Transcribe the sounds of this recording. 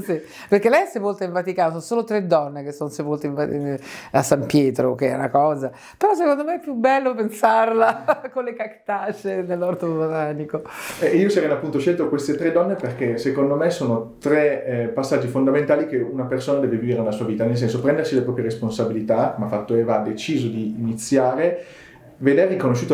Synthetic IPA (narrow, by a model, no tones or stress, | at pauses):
si | perkelːɛjɛsepolt̪eiɱvat̪ikaːnosonsoːlot̪ɾed̪ːɔnːekesːonsepolt̪eiɱva | asːampjɛːt̪ɾok̟eɛ̰unakɔːza | peɾɔs̬ekond̪omeɛpːjubɛlːopensarlakolekakt̪at͡ʃenelːɔrt̪obbot̪aːnikoɛiːosaɾɛnːoapːunt̪oʃelt̪okwest̪et̪ɾed̪ɔnːeperkesekond̪omesoːnot̪ɾepasːad͡ʒːifond̪amẽnt̪aːlikeunapersoːnad̪ɛːveviviɾenelasuːaviːt̪anels̬ɛnsopɾɛnd̪ersilepɾɔːpɾjeɾesponsabilit̪akomafːat̪ːoeːvaad̪ːet͡ʃiːzod̪iːnit̪sːjaːɾe | ved̪eːikonoʃːuːt̪o